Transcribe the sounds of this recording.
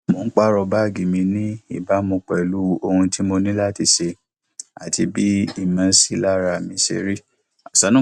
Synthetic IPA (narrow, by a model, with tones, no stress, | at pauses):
mo˨˦k͡pa˦ɾɔ˧ba˦˨ɡi˨mĩ˧nĩ˦i˦˨ba˦mũ˧k͡pɛ˨lu˦o˧hũ˧ti˦mo˧nĩ˦la˦˨ti˧ʃe˧ | a˨ti˧bi˦i˦˨mã˨˧˦si˦˨la˦ɾa˧˨mĩ˧˦sḛ˧ɾi˦˨ | sa˨˦nũ˦